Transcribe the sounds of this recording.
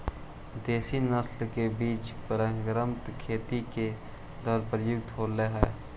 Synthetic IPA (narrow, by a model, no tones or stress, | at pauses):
d̪eːsinəslkebiːt͡ʃpəɾəɡɾəmt̪kʰeːt̪ike | d̪ɔːɾpɾəjʊɡ̚t̪ɦoːleɦɛː